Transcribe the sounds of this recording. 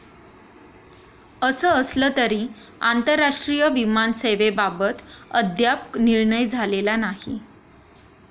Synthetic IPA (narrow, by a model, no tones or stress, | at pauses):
əsəːslət̪əɾiː | ant̪əɾːaʂʈɾijəʋimanseʋebabət̪əd̪ʱjapniɾɳəjd͡zʱalelanaɦi